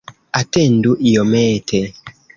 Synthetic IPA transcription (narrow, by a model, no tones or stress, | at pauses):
atɛnduʔijɔmɛːtʰɛ